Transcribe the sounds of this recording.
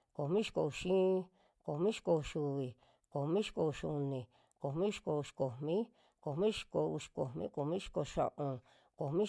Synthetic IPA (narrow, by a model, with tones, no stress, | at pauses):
ko˨mĩ˦ʃi̥˧ko˧˨u˧ʃĩ˦ | ko˨mĩ˦ʃi̥˧ko˧u˧ʃu˧βi˨ | ko˨mĩ˦ʃi̥˧ko˧u˧ʃu˧nĩ˨ | ko˨mĩ˦ʃi̥˧ko˧u˧ʃi̥˨ko˨mĩ˦ | ko˨mĩ˦ʃi̥˧ko˧u˧ʃi̥˧ko˨mḭ̃˦ko˨mĩ˦ʃi̥˧ko˧ʃã̰˧ʔõ˧ | ko˨mĩ˦